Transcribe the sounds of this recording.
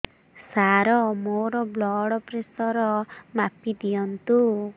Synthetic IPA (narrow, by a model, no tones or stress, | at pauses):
saɾɔmoɾɔblɔɽɔpɾesɔɾɔmapid̪ijɔnt̪u